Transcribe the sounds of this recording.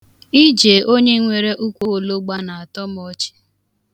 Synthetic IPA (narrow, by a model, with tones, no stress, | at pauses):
i˦d͡ʒe˨ʔo˦ɲe˦ŋʷe˨ɾe˦ʔu˦kʷo˦˨lo˦ɡ͡ba˦na˨a˨tɔ˦m˦ɔ˦t͡ʃɪ̥˦